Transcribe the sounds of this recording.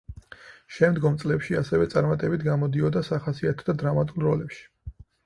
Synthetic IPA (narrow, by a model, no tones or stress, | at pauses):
ʃɛmd̪ɡɔmt̪sʼlɛpʃiasɛvɛt̪sʼaɾmat̪ʼɛbit̪ʰɡamɔd̪iɔd̪asaχasiat̪ʰɔ̥d̪ad̪ɾamat̪ʼulˠɾɔlɛpʃi̥